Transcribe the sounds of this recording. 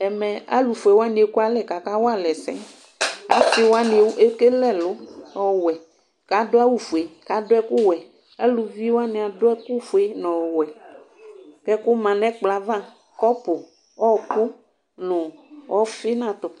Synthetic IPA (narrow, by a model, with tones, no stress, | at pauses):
ɛ˨mɛ̃˨a̰˦lu˨fu˨e˨wo˦a˦nĩ˨e˦ku˦a˦lɛ˨ka˨ka˦wo˦a˦lɛ˨sɛ̰̃˦ | a̰˦si˦wo˦a˦ne˨wʔe˦ke˦lɛ˦lʊ˨˦ɔ˨wɛ˨ | ka˨do˦a˦wu˨fu˨e˨ka˨dʊ˦ɛ˦ku˦wɛ˨ | a˦lu˨vi˦wa˦nẽ˨a˨dʊ˦ɛ˦ku˦fu˨e˦nɔ̃˨wɛ˨ | kɛ˦kʊ˦mã˨nɛ̃˦k͡pla˨vã˦˨ | kɔ˦pʊ˨ | ɔ˦kʊ˦ | nʊ̃˨ɔ˦fi˦nã˨t̪ɔ˨